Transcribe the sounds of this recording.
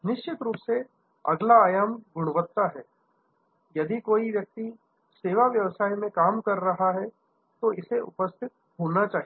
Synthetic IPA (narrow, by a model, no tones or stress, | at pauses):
nɪʃt͡ʃɪt̪ɾuːpse | ɐ̰ɡlaːjaːmɡʱʊɽ̃ʋət̪ːaɦɛː | jɐd̪ikoːiʋjɐk̚t̪i | seːʋaʋjɐʋsaːimẽkaːmkɐɾːɐɦaɦɛ | t̪oɪseʊ̰pəst̪ʰɪt̪̚ɦoːnat͡ʃaːɦi